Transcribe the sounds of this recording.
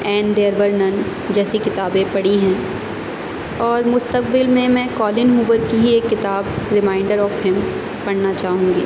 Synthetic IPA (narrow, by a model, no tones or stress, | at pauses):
ɛːnd̪eːəɾbəɾnɐn | d͡ʒɛːsikɪt̪aːbẽpɐɽiɦɛ̃ː | ɔːɾmʊst̪ək̚bɪlmẽmɛ̃kɔːlɪnɦuːbəɾkiɦieːkːɪt̪aːbɾɪmaːɪ̃ɳɖəɾɔːfɦɪm | pɐɽnat͡ʃaːɦũːŋɡḭː